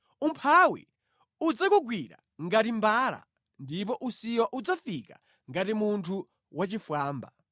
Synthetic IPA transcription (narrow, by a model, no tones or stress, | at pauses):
umpʰawḭ | ud͡zakuɡwiɾa̰ | ŋɡatimbala̰ | ndip̬ɔʔusiwaʔud͡zafika̰ | ŋɡatimuntʰu | wat͡ʃifwaːmba̰